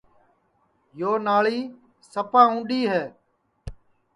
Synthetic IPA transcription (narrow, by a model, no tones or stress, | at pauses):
joːnaːɭiː | səpaːũːɳɖiːɦɛː